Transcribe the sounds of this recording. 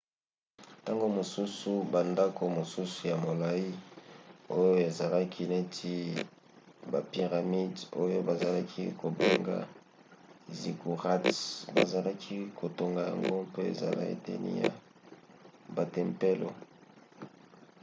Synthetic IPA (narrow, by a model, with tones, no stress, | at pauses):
ta˦ŋɡo˦mo˨su˦su˨ba˨nda˦ko˨mo˨su˦su˨ja˨mo˨la˨i˦ | o˦jo˦e˨za˨la˦kʰi˦ne˦tʰi˦ | ba̰˨pi˨ʁa˨mi˦do˦jo˦ba˨za˨la˦kʰi˦ko˨be˦ŋɡa̰˦˨ | zi˨ku˨ʁa˦tba̰˨za˨la˦kʰi˦kʰo˨to˨ŋɡa˨ja̰˨ŋɡo˦pe˦ḛ˨za̰˨la̰˦ḭ˦tḛ˦nḭ˦ja̰˨ | ba˨tɛ˨mpe˦lo̰˨